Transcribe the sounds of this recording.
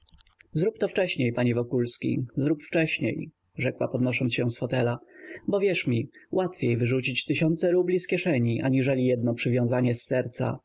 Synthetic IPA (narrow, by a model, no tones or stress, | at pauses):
zɾupt̪ɔft͡ʂɛɕɲejpaɲɛvɔkulskʲḭzɾupft͡ʂɛɕɲḛj | ʐɛkwa̰pɔd̪nɔʂɔnsɕɛw̃sfɔt̪ɛlabɔvʲjɛʂmʲiwat̪fʲjejvɘʐut͡ɕit͡ɕt̪ɘɕɔnt̪sɛɾublʲiskʲɛʂɛɲiʔa̰ɲiʐɛlʲijɛd̪nɔpʂɘvʲjɔ̃w̃zaɲɛsːɛɾt̪sa̰